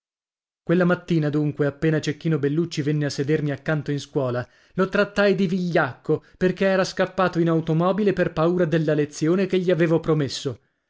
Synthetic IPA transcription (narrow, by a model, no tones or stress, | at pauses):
kwelːamat̪ːiːnad̪uŋkweapːeːnat͡ʃekːiːnobelːut͡ʃːivenːeasːed̪ermiakːant̪oinskwɔːla | lot̪ɾat̪ːajd̪iviʎːakːoperkeɛːɾaskapːaːt̪oinawt̪omɔːbileperpauːɾad̪elːalet̪sːjoːnekeʎːiaveːvopɾomesːo